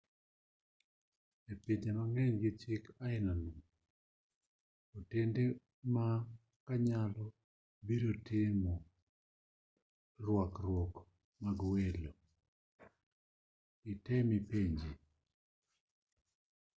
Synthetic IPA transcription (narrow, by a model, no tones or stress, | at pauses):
epiɲd͡ʒemaŋɛɲɡɪt͡ʃɪkaɪnanum | otende | ma | kaɲalɔ | biɾotɪmɔ | rwɔkrwɔk | maɡwelo | ɪtɛmipeɲd͡ʒe